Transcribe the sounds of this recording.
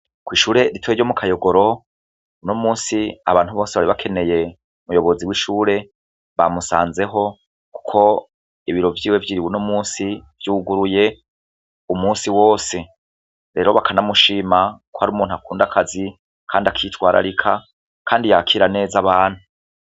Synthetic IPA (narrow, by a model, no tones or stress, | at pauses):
kwiːʃuːɾe̞ɾitwjejo̞mukʰajo̞ɡo̞ɾo̞ | unomuːnsia̰βaːnhuβo̞ːseβaɾiβakʰe̞ne̞je̞ | umujo̞βo̞ziwiʃuːɾe̞ | βamusaːnze̞ɦo̞ | ku̥kʰo̞ | iβiɾo̞vjiːwe̞vjiːɾiβunomuːnsiv̥juɡuɾuje̞ | umuːnsiwo̞ːse̞ | ɾe̞ːɾo̞βakʰanamuʃimakohaɾuːmuːn̥uakuːndakʰazi | kʰaːndiakʰitwaːɾʔa̰ɾikʰa | kʰaːndijakʰiːɾane̞ːzaβaːn̥hu